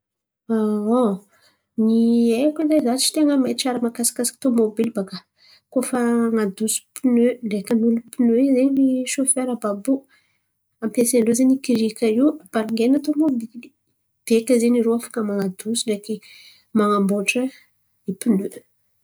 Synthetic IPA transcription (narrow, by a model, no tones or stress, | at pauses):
ao | niekizazat͡ʃi̥t̪eŋəmat͡ʃaɾəmakasḁkasḁkt̪omobilbaka | kofaaŋad̪usu̥pinølekənulupinøizeniʃofeɾəbabu | ampesenlozenikiɾikʲaiub̥aliŋɡenat̪omobili | b̥ekəzeniɾoafḁkəmaŋad̪usileki | maŋamboʈ͡ʂə | nipinø